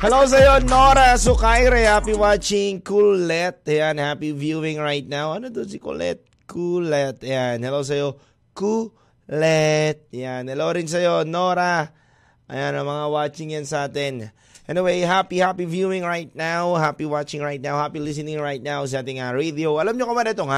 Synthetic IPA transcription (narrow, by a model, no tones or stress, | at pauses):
hɐlows̬ɐjonoɾasʊkajɾɛhapiwat͡ʃɪŋkulɛt̪̚ɐjanhapivjuɪ̃ŋɹajt̪̚nawɐnod̪onsikṵlɛ̰t̪̚ | kulɛt̪janhɐlows̬ɐjo | ku | lɛt̪̚janhɛlowɾɪns̬ɐjonoɾa | ʔɐ̰janɐŋmɐŋawat͡ʃɪŋjansɐʔaːt̪ɪn | ʔɛniwejɦapihapivjuɪ̃ŋɹajt̪̚nawhapiwat͡ʃɪŋɹajt̪̚nawhapilis̬ɪnɪŋɹajt̪̚naws̬iʔaːt̪ɪŋɐɹed̪ioɐlamɲokɐbad̪ɐt̪oŋa